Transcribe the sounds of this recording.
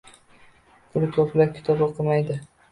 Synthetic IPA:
kʰʊɾɪt̪ʰoplaɾkʲʰɪ̥t̪ʰɒbaqʰɨmajd̪ɪ

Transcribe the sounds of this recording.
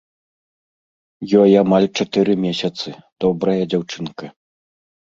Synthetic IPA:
jɔjamalʲt͡ʂat̪ɨɾɨmʲɛsʲɐt̪sɨd̪̥ɔbɾɐjɐd͡zʲawt͡ʂɨnkɐ

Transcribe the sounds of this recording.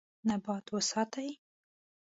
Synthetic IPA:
nabɑt̪wəsɑt̪aj

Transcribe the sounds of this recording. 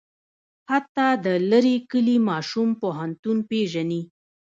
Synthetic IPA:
hat̪ːɑd̪ələɾikəlimɑʃumpoɦant̪unpeʒani

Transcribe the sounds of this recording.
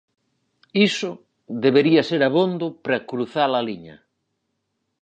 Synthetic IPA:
isʊ | ðeβeɾiɐseɾaβond̪ʊpɾakɾuθalaliɲɐ̰

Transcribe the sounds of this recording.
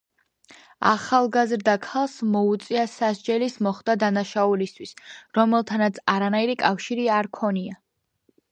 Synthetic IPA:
a̰χalˠɡazɾd̪akʰalˠsmɔut̪sʼiasaʃd͡ʒɛlismɔχd̪ad̪anaʃaulist̪ʰwisɾɔmɛlˠt̪ʰanat̪sʰaɾanaiɾikʼafʃiɾiaɾkʰɔnia

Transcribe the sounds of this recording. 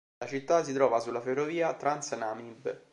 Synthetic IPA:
at͡ʃit̪ːasit̪ɾɔːvasulːaferːoviːat̪ɾansnamib

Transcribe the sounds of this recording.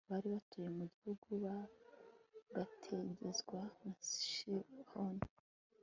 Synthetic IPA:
βaɾiβatʰoje̞muɟihuɡuβa | ɡatʰe̞ɟe̞zɡwanasʃihoni

